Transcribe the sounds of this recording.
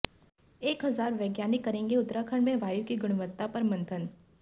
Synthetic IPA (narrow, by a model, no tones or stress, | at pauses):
eːkɦɐzaːɾʋɛːɡjaːnɪkːɐɾẽːŋɡeʊt̪ɾakʰəɳmẽʋaːjukiɡʊɽ̃ʋət̪ːapɐɾmɐ̃nt̪ʰən